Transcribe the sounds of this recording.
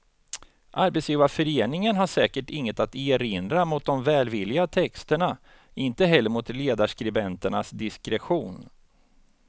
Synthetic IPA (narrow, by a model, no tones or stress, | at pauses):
ʔaɾbɛt̪sjiːvafœɾeːnɪŋənɦaʂɛːkəʈɪŋːət̪at̪eːɾɪnd̪ɾamʊt̪̚d̪ɔmvɛːlvɪlːɪɡat̪ʰɛkst̪əɳa | ɪnt̪əɦɛlːəɾmʊt̪leːd̪aʂkɾɛbɛnt̪əɳasd̪ɪskɾɛɧuːn